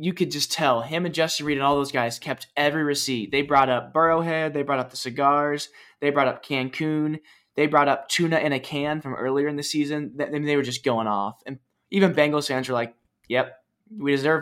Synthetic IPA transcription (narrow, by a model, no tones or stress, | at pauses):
jɨkʰɨd̚d͡ʒʌstʰɛlˠɦɪ̃mɨ̃nd͡ʒʌstɨ̃nɹiɾɨ̃nɔlˠðoʊzɡaɪz̥kʰɛp̚tɛvɹiɹɨsit̚ðeɪbɹɔɾʌp̚b̥ɜ˞oʊɦɛd̪̚ðeɪbɹɔɾʌp̚ðəsɨɡɑɹz̥ðeɪbɹɔɾʌp̚kʰæ̃nkʰʉ̃n | ðeɪbɹɔɾʌp̚tʰʉnɨʔɨ̃ɾ̃ɨkʰæ̃nfɹʌ̃mʔɜ̰˞lˠiə˞ɨ̃nðɨsizɨ̃nðɨðɨ̃nðeɪwə˞d͡ʒʌs̬ɡ̥oʊɪ̃ŋɔ̰fɨ̃n | ivɨ̃nbæ̃ŋɡoʊsæ̃nzwə˞laɪk̚ | jɛp̚ | widɨzɜ˞v